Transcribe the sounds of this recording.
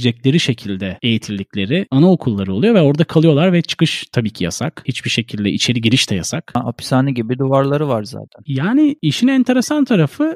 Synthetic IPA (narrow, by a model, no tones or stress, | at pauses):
d͡ʒɛclʲe̞ɾiʃe̞cʰilʲd̪ɛe̞jit̪ʰilʲːicʲlʲe̞ɾɪanaokʰulˠːaɾɯolˠujo̞vɛo̞ɾd̪akʰalˠɯjo̞lˠaɾvɛt͡ʃʰɯ̥kɯʃt̪ʰabiːcʰija̰sa̰khit͡ʃbiʃe̞cʰilʲd̪ɛit͡ʃʰe̞ɾiɟiɾiʃt̪ʰɛja̰saka̰pʰi̥saːnɯɟibid̪uvaɾlˠaɾɯvaɾza̰ːt̪ʰænjaːniiʃinɛnt̪ʰe̞ɾe̞sant̪ʰaɾafɯ